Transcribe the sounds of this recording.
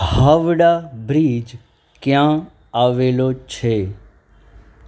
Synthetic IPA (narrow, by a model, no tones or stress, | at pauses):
haːʋɽaːbɾiːd͡ʒ | kjãː | aːʋeːlot͡ʃʰeː